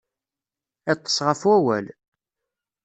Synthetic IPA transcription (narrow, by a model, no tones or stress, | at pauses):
æt̪ˤːə̥sˤʁəfwæwæ̰l